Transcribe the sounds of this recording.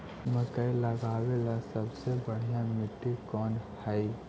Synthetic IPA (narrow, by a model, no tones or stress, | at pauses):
məkəiləɡaːwelasəbsebəɽ̤ijãmɪʈːikɔːnhɛi